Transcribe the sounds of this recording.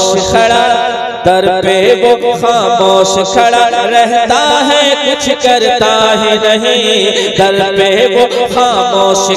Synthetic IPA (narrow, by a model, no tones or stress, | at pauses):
kʰɐɽa | d̪ɐɾpeʋoxaːmoːʃkʰɐɽaɾɛɦt̪aɦɛkʊt͡ʃʰkɐɾt̪aɦinɐɦĩɡ̪ɐɾpeʋoxaːmoːʃ